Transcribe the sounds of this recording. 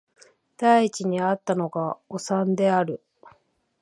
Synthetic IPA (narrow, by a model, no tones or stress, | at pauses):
d̪̥aiːt͡ɕiɲ̟iat̪ːano̞ɡaosãnd̪e̞aɾɯ̟